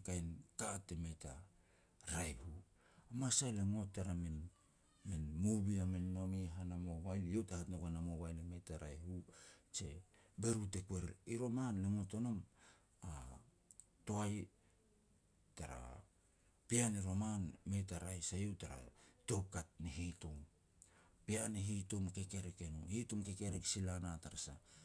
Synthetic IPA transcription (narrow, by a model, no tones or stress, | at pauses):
kajnkatːe̞me̞ta | ɾajhu | amasajleŋo̞tːaɾamin | minmubiamenːo̞miɦanamo̞βajljewtahatnokanamoβajleme̞taɾajhut͡ʃe̞ | be̞ɾute̞kwe̞ɾiɾo̞manle̞ŋo̞to̞no̞m | a | to̞aj | taɾa̰ | pianeɾo̞manme̞taɾajsajewtaɾa̰to̞p̚kat̚neɦitom | pianeɦitomke̞ke̞ɾeke̞nohitomke̞ke̞ɾeksilanataɾasa̰